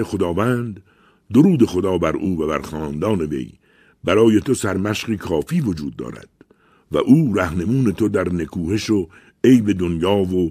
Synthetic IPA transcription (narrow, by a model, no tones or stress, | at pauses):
exo̞d̪ɒːvænd̪ː | oɾuːd̪e̞xo̞d̪ɒːbæɾʔuːvæbæɾxɒːnd̪ɒːne̞ve̞̰j | bæɾɒːje̞t̪ʰo̞sæɾmæʃɢiːkʰɒːfiːvo̞d͡ʒuːd̪ːɒ̰ːɾæ̰d̪̥ | væ̰ʔuːɾæhne̞muːne̞t̪ʰo̞d̪æɾne̞kʰuːhe̞ʃo | ejbe̞d̪onjɒːvo